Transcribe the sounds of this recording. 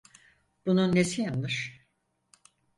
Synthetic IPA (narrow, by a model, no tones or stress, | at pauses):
b̥ununːesijanmɯɾ̥